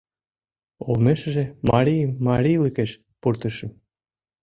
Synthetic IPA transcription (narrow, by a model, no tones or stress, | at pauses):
olmeʃə̆ʒemɑɾʲijmːɑɾʲijləkeʃ | purt̪ə̆ʃə̆